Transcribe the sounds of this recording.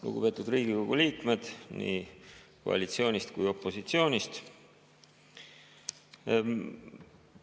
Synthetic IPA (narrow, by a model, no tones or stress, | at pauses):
lṵɡ̥upe̞t̪ud̪riːɡiko̞ɡ̥uliːkme̞d̪̥nḭːko̞̰ɑ̰lit̪sio̞ːnʲist̪kujo̞pːˑo̞sit̪sio̞ːnʲist̪